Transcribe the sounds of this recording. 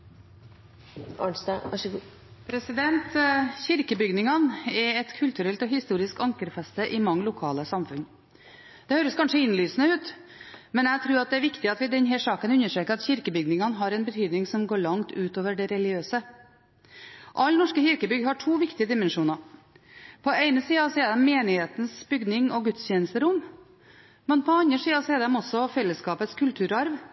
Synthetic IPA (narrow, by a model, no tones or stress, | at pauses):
ɑ̰ɳsnɑʂ | pʰɾɛsɪd̪ɛnt̪çɪɾkəbʏɡnɪŋɑnɛɛt̪kʰʉlt̪ʉɾɛlt̪ɔɦɪst̪uːɾɪskɑŋkəɾfɛst̪əʔɪmɑŋːəlʊkʰɑːləsɑmfʉn | d̪̥ɛhøːɾəskʰɑnʂəɪnlyːsənəʉːt̪mɛnæt̪ʰɾʉːɾɑt̪̚d̪ɛæɾʋɪkt̪ɪɑt̪ʋɪd̪ɛnɦɛʂɑːkənʉnːəʂʈɾeːkəɾɑt̪çɪɾkəbʏɡnɪŋɑnɦɑɾɛnbət̪ʰyːd̪nɪŋsɔmɡoːɭɑŋt̪ʉːt̪oːʋəɖɛɾɛlɪɡɪøːsə | ʔɑlːnɔʂkəçɪɾkəbʏɡhɑʈʰuːʋɪkt̪ɪəd̪ɪmɛnʂuːnɑ | pʰɔeɪnəsiːɑsɔɛd̪ɛmmeːnɪheːt̪n̩sbʏɡd̪nɪŋɔɡʉt̪st̪jɛːnəst̪əɾʊm | mɛnpʰɔɑnd̪ɾəʂiːɑsɔɛd̪ɛmɔsːɔfɛlːəskɑːpət̪skʰʉlt̪ʰʉːɾɑɾʋ